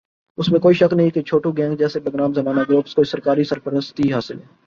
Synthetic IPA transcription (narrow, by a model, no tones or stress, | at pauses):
ʊsmẽkoːiʃɐknɐɦĩket͡ʃʰoːʈũɡɛ̃ːŋɡd͡ʒɛːsebəɡɾaːmzɐmaːnaɡɾoːpskoːisəɾkaːɾisəɾpəɾəst̪iɦaːsɪlɦɛː